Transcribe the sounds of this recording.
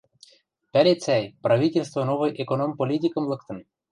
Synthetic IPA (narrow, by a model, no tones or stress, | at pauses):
pælʲet͡sʲæjprɑvʲit̪ʲelʲst̪vonovɤjʔekonompolʲit̪ʲikə̆mlˠɤkt̪ɤ̆n